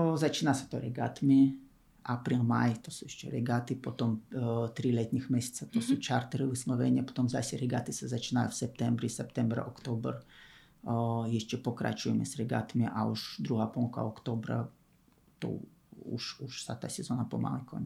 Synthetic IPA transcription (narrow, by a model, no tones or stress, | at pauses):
zat͡ʃinase̥t̪oɾɛɡat̪mi | apɾimajt̪osuiʃt͡ʃɛ̰ɾɛɡat̪ipot̪omt̪ɾilʲet̪ɲixmʲesʲe̥t̪sat̪osut͡ʃaɾt̪eɾiusnoʋenʲapo̥t̪omzasʲɛɾɛɡat̪isɛzat͡ʃinajusɛp̚t̪ɛmbɾisɛpt̪ɛmbɾa̰ʔokt̪obr | jiʃt͡ʃɛpokɾa̰t͡ʃujɛmɛsɾɛɡa̰t̪miʔauʃd̪ɾuɦapolˠka̰okt̪obɾa̰ | t̪o̰ṵʃuʃsat̪ːasʲɛzonapoma̰likʰonʲ